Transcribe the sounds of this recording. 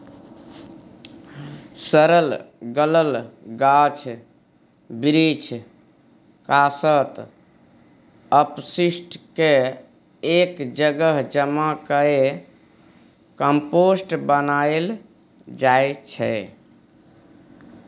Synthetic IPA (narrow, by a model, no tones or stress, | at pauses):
səɾəlɡələlɡat͡ʃʰ | bɾit͡ʃʰ | kasət̪ | əpsisʈke | ekd͡ʒəɡəɦd͡ʒəmakəe | kəmposʈbənael | d͡ʒaet͡ʃʰɛ̰